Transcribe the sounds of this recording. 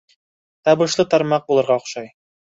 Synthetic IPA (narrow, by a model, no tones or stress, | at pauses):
t̪ɑβɤ̆ʃlˠɤt̪ɑɾmɑq̚bulˠɤ̆ɾʁɑoχʃɑj